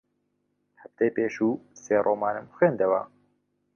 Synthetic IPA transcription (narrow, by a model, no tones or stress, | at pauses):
hɛft̪ejpeːʃuːseːɾʔoːmɑːnɨmxweːnd̪ɛwa̰ː